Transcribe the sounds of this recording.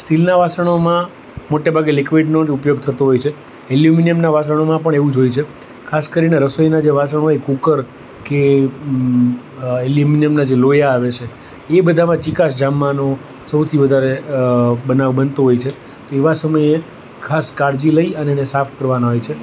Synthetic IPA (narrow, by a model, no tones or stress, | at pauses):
sʈilnaʋasəɳ̃omã | moʈebʱaɡelikʋiɖnoupjoɡ̚t̪ʰət̪oɦojt͡ʃʰe | ɛljuminijəmnaʋas̬əɽ̃omãpəɳeʋũd͡ʒojt͡ʃʰe | kʰaskəɾineɾəsoinad͡ʒeʋasəɳ̃oekukəɾ | ke | eljuminijəmnad͡ʒelojaːʋet͡ʃʰe | ebəd̪ʱamãt͡ʃikasd͡ʒamːano | səwt̪ʰiʋəd̪ʱaɾe | bənaʋbənt̪oɦojt͡ʃʰe | t̪oeʋasəməje | kʰaskaɾd͡ʒiləiəneɛnesafʰkəɾʋanaɦojt͡ʃʰe